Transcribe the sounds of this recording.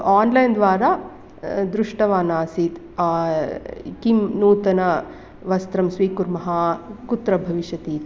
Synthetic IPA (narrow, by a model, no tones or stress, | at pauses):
aːnlɐjnd̪ʋaːɾa | d̪ɾuʂʈɐʋaːnaːsit̪ː | kimnuːt̪ɐnɐ | ʋɐst̪ɾɐmsʋiːkuɾmɐɦɐkut̪ɾɐbʱɐʋiʃjɐt̪iːt̪